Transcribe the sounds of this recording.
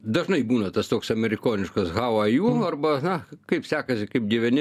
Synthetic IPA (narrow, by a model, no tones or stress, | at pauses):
d̪ɐʒnɐɪbuːnɐt̪ɐst̪oːksɐmʲɛɾʲɪkoːnʲɪʃkɐsɣɑːwɐjuːɐrbɐnɐkɐɪpsʲæːkɐsʲɪkɐɪp̚dʲiʋʲɛnʲɪ